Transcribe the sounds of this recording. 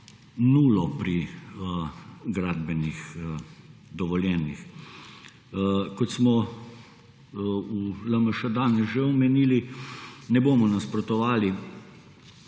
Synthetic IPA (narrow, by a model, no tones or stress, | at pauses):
nuːlɔpɾi | ɡɾaːd̪̚bɛnix | d̪ɔʋɔljɛːnix | kɔt̪smɔ | uləməʃəd̪anɛsʒɛɔmɛniːlinɛboːmɔnaspɾɔt̪ɔʋaːli